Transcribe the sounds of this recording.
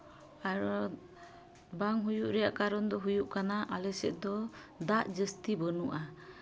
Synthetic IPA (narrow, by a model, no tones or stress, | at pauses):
aɾɔ | baŋɦujuʔɾɛjaʔkaɾɔnd̪ɔɦujuʔkanaʔalɛsɛ̰ʔ̪d̪ɔ | d̪aʔd͡ʒəst̪ibənuʔa